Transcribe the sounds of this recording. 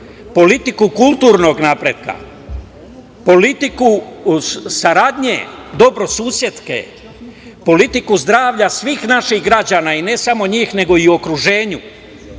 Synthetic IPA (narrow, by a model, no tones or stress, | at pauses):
po̞lit̪ikukulˠt̪uːɾno̞ɡnaːpɾe̞ːd̪̥̚ka̰ | po̞lit̪iku | saɾaːd̪ɲḛd̪o̞bɾo̞suːsje̞t̪skḛ | po̞lit̪ikuzd̪ɾaːʋʎasʋiːxnaʃiɣɡɾad͡ʑaːnaːine̞samo̞ɲiːxne̞ɡo̞iuo̞kɾuʒe̞ːɲu